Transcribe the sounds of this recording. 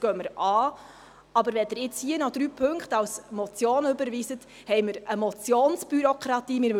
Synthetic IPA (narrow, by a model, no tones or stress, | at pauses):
ɡ̥œməɾʔɑː | ɑbəɾʋɛd̪ɪɾɪt͡shiənɔd̥̪ɾyːpʰɵŋkχtɑwsmɔt͡sjoːnøbəɾviːsət | hɛjməɾəmɔt͡sjoːnsb̥yɾɔkʰɾɑt̪iːmɪɾ